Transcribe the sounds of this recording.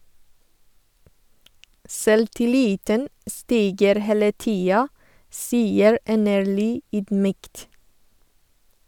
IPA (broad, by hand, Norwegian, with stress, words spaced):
sɛltɪˈliːtən ə ˈstiːɡəɾ ˈheːlə ˈtiːɑ ˈsiːəɹ ˈʔɛnəɹɭyː ˈyːdˌmyːkt